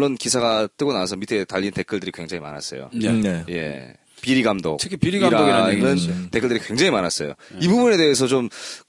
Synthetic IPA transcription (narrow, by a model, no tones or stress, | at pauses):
ʌnkisʰaɡat͈ɯɡonawasʰʌmitʰetaʎːinte̞k͈ʰɯɭdɯɾikwe̞ŋd͡ʑaŋima̰na̰s͈ʌ̰jo̰neje̞̰ | piɾiɡamdo̰kt͡ɕʰekʰipiɾiɡaɾdoɡamɯntek͈ʰɯɭdɯɾikwe̞ŋd͡ʑaŋimanas͈ʌjo̰ibubune̞de̞ɦes̬ʰʌt͡ɕom